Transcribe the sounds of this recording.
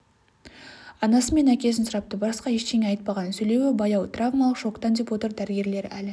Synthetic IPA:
ɑnɑsəme̞nækʲe̞s̬ɪnsʊɾɑp̚t̪əbɑsqɑeʃt̪ʰe̞ŋʲeɑjt̪̚pɑʁɑnəsɵjle̞wɪbɑjɑwt̪ravmalˠəqʃo̞kt̪ɑnd̪e̞pwo̞t̪əɾd̪æɾɪɡʲe̞ɾle̞ɾæl

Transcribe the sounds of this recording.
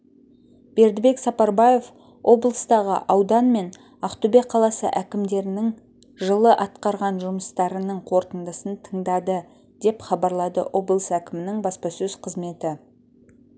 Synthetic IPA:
b̥e̞ɾd̪ɪbe̞ksɑpɑɾbɑje̞f | wʔo̞blˠəst̪ɑʁə̰ʔɑwd̪ɑnme̞n | ɑqt̪ubeqʰːɑlˠɑsə̰ʔækʲɪmd̪e̞ɾɪnɪŋ | ʒəlˠəʔɑt̪qɑɾʁɑnʒʊməst̪ɑɾənəɴqʰo̞ɾt̪ənd̪əsənt̪ʰəɴd̪ɑd̪ə | d̪e̞pχɑbɑɾlˠɑd̪ə̰ʔo̞blˠəsækʲɪmɪnɪŋbɑspɑsɵz̥qʰəzme̞t̪ɪ

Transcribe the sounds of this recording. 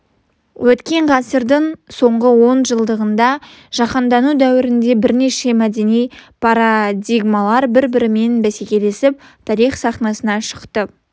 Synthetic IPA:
wʔɵt̪kʲe̞ɴʁɑsəɾd̪əɴso̞ɴʁəwo̞nʒəlˠd̪əʁənd̪ɑ | ʒ̥ɑqɑnd̪ɑnud̪æwɪɾɪnd̪e̞bɪɾne̞ʃe̞mæd̪e̞nijpʰɑɾad̪ʲiɡmalˠɑɾbɪɾbɪɾɪme̞nbæsekʲe̞le̞sɪp̚t̪ʰɑɾijχsɑχnɑsənɑʃə̥qt̪ə

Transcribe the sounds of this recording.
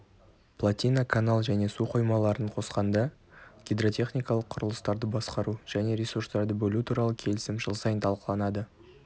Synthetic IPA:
plˠat̪ʲijnakʰanalˠʒæne̞suqʰo̞jmɑlˠɑɾəɴqʰo̞sqɑnd̪ɑ | ɡʲijd̪ro̞t̪ʲʰe̞χnʲijkɑlˠəqʰʊɾəlˠəst̪ɑɾd̪əbɑsqɑɾuʒ̥æne̞ɾʲesurst̪ɑɾd̪əbɵlut̪ʰuɾɑlˠəkʲʰe̞lɪsɪmʒəlˠsɑjənt̪ʰɑlˠqəlˠɑnɑd̪ə

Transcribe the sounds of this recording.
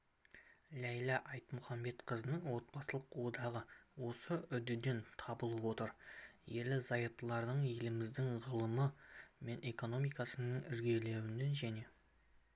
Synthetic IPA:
læjlˠɑʔɑjt̪mʊχɑmbe̞t̪qʰəzənəɴwo̞t̪̚pɑsəlˠəqwo̞d̪ɑʁəwo̞səʏd̪ɪd̪e̞nt̪ʰɑbəlˠəpwo̞t̪əɾje̞ɾlɪzɑjəp̚t̪əlˠɑɾd̪əɴje̞lɪmɪzd̪ɪŋʁəlˠəməme̞ne̞ko̞no̞mijkɑsənəɴɪɾɡʲe̞le̞wɪnːe̞nʒæne̞

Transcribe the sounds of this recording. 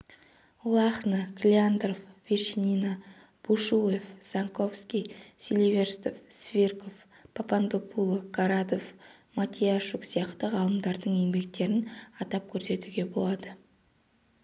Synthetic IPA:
lˠɑχnəkʲʰlʲiand̪rofvʲeʃinʲina | b̥uʃuefz̥aŋko̞fskʲisʲilʲive̞rst̪ofsvʲirko̞fpʰapand̪opʰulˠokaɾad̪o̞f | mat̪ʲijaʃuksijɑqt̪əʁɑlˠəmd̪ɑɾd̪əɴje̞ŋbe̞k̚t̪e̞ɾɪnɑt̪ɑp̚kʲʰɵɾse̞t̪uɡʲe̞bo̞lˠɑd̪ə

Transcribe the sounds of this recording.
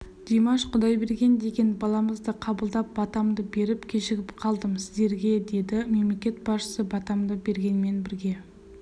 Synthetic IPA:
d̪̥emɑʃqʰʊd̪ɑjbe̞ɾɡʲe̞nd̪e̞ɡʲe̞nbɑlˠɑməzd̪əqʰɑbəlˠd̪ɑp̚bɑt̪ɑmd̪əbe̞ɾɪpkʲʰe̞ʃɪɡʲɪpqʰɑlˠd̪əmsɪzd̪e̞ɾɡʲe̞d̪e̞d̪ɪme̞mle̞kʲe̞t̪̚bɑsʃə̥səbɑt̪ɑmd̪əbe̞ɾɡʲe̞nme̞nbɪɾɡʲe̞

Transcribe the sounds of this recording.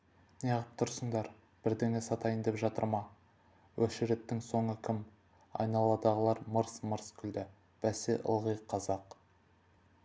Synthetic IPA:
nijɑʁəp̚t̪ʰʊɾsəɴd̪ɑɾ | b̥ɪɾd̪eŋesɑt̪ɑjɪnd̪epʒɑt̪ə̰ɾmɑ | wʔɵʃɪɾet̪ːɪŋso̞ɴəkʲʰɪm | ɑ̰jnɑlˠɑd̪ɑʁəlˠɑɾməɾsməɾskʲʰʏld̪ɪ | b̥æsḛʔə̰lˠʁijqʰːɑzɑq

